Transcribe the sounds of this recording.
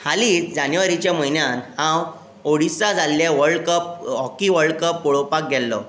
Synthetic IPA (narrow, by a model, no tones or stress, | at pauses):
haliːt͡sd͡ʑanjʋaɾit͡ɕjam̤əɦinjanhãw | oɽisad͡zʱalːeʋəɾɽkəp̚ɦɔkiʋəɾɽkəpːɔɭopak̚ɡʱɛlːɔ̰